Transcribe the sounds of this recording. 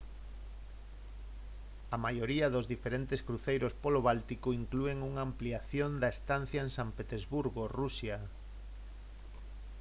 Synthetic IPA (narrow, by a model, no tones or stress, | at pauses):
ɐmajoɾiɐðozðifeɾent̪eskɾuθejɾospoloβalt̪ikoiŋklueŋuŋaːmpliaθjond̪ɐest̪an̟θjaeŋsampet̪ezβuɾɣorusja